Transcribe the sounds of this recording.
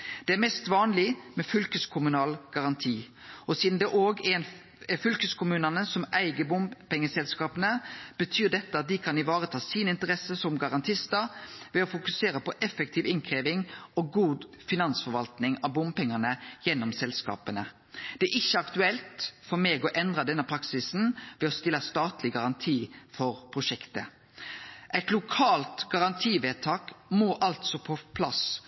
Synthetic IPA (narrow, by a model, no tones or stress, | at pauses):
d̪̥ɛæɾmɛst̪ʋɑːnlɪmɛfʏlkəskʰʊmʉnɑːlɡ̥ɑʁɑnt̪ʰiː | ɔsiːd̪n̩d̪ɛʔoːɡɛn | fʏlkəskʰʊmʉːnənəsɔmʔæɪɡəbʊmpɛŋːəsɛlskɑːpənəb̥ət̪ʰyːd̪ɛt̪ːəɑt̪̚d̪ɪkʰɑnɪʋɑːʁət̪ʰɑːsiːnɪnt̪əʁɛsəsɔmɡɑɾɑnt̪ʰɪst̪əɾʋɛɔfʊkʉseːɾəpɔʔɛfək̚t̪ʰiːʋɪŋkʰʁeːʋɪŋɔɡuːd̪fɪnɑnsfɔɾʋɑlt̪nɪŋɑʋbʊmpɛŋːənəjɛnːɔmsɛlskɑ̰ːpənə | d̪̥ɛæɪçːəɑkt̪ʉɛlt̪fɔmɛːɡɔʔɛnd̪ʁɑd̪ɛnːəpʰɾɑksɪsn̩ʋɛɔst̪ɪlːəst̪ɑːt̪lɪɡɑʁɑnt̪ʰiːfɔɾpʰʁʊʂɛkt̪ə | ʔæɪt̪lʊkʰɑːlt̪ɡɑʁɑnt̪ʰiːʋeːt̪ʰɑːkmoːʔɑlt̪sɔpʰɔpʰlɑs